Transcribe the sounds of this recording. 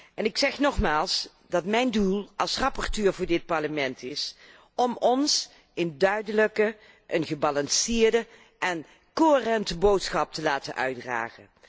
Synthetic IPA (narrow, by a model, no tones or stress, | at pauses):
ʔɛnɪksɛχnɔχmaːlˠs | dɑtmɛjndulˠɑlˠsrɑpɔrtøːɹvʊːɹdɪt̚pɑɹləmɛntʰɪs | ɔmɔns | ɪndœɥdələkə | ʔənɣəbɑlɑnsɪːɹdə | ʔɛn | koɦərɛntəbowtsχɑp̚təlaːtə̰nʔœ̰ɥdra̰ːχə̰n